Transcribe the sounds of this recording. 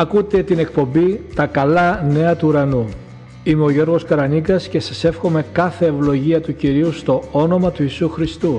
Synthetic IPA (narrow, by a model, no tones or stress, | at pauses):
ɐkut̪e̞t̪ine̞k̚po̞mbit̪ɐkɐlɐne̞ɐt̪uːɾɐnu | imeo̞ʝo̞ɾɣo̞skɐɾɐniɡɐsce̞sɐse̞fxo̞me̞kɐθe̞ːvlo̞ʝiɐt̪uciɾiust̪o̞ono̞mɐt̪uisuxɾist̪u